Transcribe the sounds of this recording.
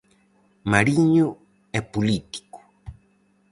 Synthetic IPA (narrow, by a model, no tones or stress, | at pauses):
maɾiɲu | epulit̪i̥ku̥